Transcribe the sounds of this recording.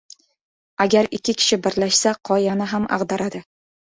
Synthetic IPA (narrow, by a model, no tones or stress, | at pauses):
aɡʲaɾɪkʲʰːɪkʲʰɪ̥ʃɪbɪɾlaʃsaqʰɒjanɪɦama̰ʁd̪aɾad̪ɪ